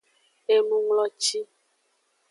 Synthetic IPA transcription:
e˨nũ˦ŋlɔ˦t͡ʃi˦

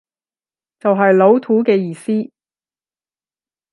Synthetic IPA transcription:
t͡sɐ˨wɦɐ˨jlo˨˥wt̪ʰuː˨˥kɛː˧jiː˨siː˥

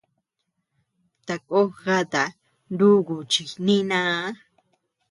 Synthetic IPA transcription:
t̪a˨ko˦ɣa˦t̪a˨ | nd̪u˦ɡu˨t͡ʃi˨nĩ˦nã˦

